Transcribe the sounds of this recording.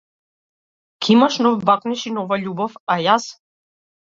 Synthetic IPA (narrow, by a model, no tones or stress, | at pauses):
kʰimaʃnɔvbaknɛʃinɔvaʎubɔfajas